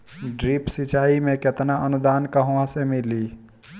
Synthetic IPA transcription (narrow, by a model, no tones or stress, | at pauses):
ɖɾipsit͡ʃaːimẽket̪naənʊd̪aːnkəɦãsemɪli